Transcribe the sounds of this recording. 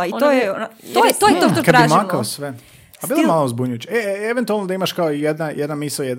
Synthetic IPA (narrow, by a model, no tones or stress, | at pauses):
iojot̪ːjet̪ojet̪ot̪okad̪imakaosʋe | abilomalˠozbuɲujut͡ɕaeeʋent̪ualnod̪aimaʃkaoijed̪najed̪namisojed̪